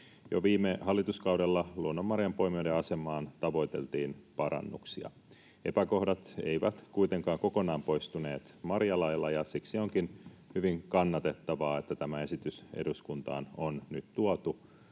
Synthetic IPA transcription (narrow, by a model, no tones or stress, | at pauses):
joʋiːmehɑlːit̪uskɑwde̞lːɑluonːomːɑrjɑmpo̞imiodeɑse̞mˑɑːnt̪ɑʋo̞it̪e̞̰lt̪iːnpɑɾɑ̰nːṵksiɑ̰ | e̞̰pæko̞hdɑt̪e̞̰iʋæt̪kuit̪e̞ŋkɑːŋko̞ko̞nɑːmpo̞jst̪une̞ːt̪mɑɾrjɑlɑjlːɑjɑsiksio̞ŋkinhyʋiŋkɑnːɑt̪e̞t̪ːɑʋɑːet̪ːæt̪æmæe̞sit̪ysḛduskunt̪ɑ̰ːnonnyt̪t̪uot̪u